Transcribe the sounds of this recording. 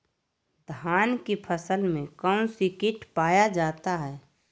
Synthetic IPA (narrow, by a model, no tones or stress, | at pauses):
d̪ʱaːnkipʰəsəlmẽkəw̃sɪkɪʈpaːjad͡ʒaːt̪aɦɛː